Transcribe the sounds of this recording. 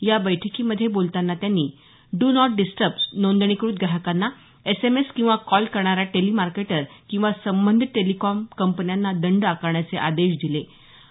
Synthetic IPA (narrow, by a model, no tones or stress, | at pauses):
jabəjʈʰəkiməd̪ʱːjebolt̪anːat̪janːiː | ɖunɔʈ̚ɖisʈəɾpnond̪ɳ̃ikɾuːt̪ɡaɦəkanːa | esemeskĩw̃ʋakɔlkəɾɳaɾjaʈelimaɾkeʈəɾkĩw̃ʋasəmbənd̪ʱʈːelikɔmkəmpənjanːad̪əɳɖakəɾɳjat͡seʔad̪eɕd̪ile